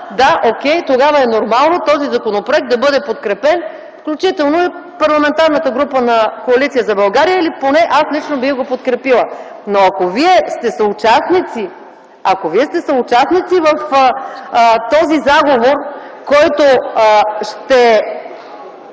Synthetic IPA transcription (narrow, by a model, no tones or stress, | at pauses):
d̪aʔokʲɛjt̪oɡavɐɛnoɾmalˠnot̪ɔzizɐkonopɾoɛk̚t̪ɐbɤd̪ɛpot̪kɾɛpɛn | fklʲut͡ʃit̪ɛlˠnoɛpɐɾlˠɐmɛnt̪aɾnət̪əɡɾupənɐkoɐlit̪sijəzɐbɐlˠɡaɾijəiliponɛʔaslit͡ʃnobixɡopot̪kɾɛpilˠə | noɐkoviɛst̪ɛsɐut͡ʃasnit̪si | ɐkoviɛst̪ɛsɐʊt͡ʃasnit̪sivɐf | t̪ɔzizaɡovoɾkɔjt̪o | ʃt̪ɛ